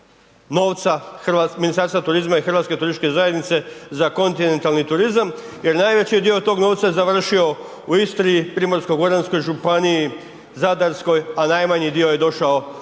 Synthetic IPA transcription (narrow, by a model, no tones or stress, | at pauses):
no̞ːʋt̪saxrʋaminist̪aɾst̪at̪uɾizmaixrʋaːt̪ske̞t̪uɾiʃt̪ke̞zaje̞d̪nit̪se̞zako̞nt̪ine̞nt̪alˠnit̪uɾizam | je̞ɾnajʋet͡ɕijed̪io̞t̪o̞ːɡno̞ʋt̪saje̞zaʋr̩ʃio̞ | uist̪ɾiipɾiːmo̞ɾskoɡoɾansko̞jʒupaniji | zad̪aɾsko̞janajmaɲid̪io̞je̞d̪o̞ʃao